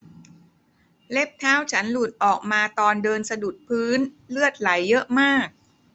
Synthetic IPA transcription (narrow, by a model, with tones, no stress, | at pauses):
le˦˥˩p̚t̪ʰaː˦˥wt͡ɕʰa˦˥nluː˨˩t̪̚ʔɔː˨˩k̚maː˧t̪ɔː˧ndɤː˧nsa˧du˨˩t̪̚pʰɯː˦˥n | lɯ˥˩ət̪̚la˩˦jːɤ˦˥ʔmaː˥˩k̚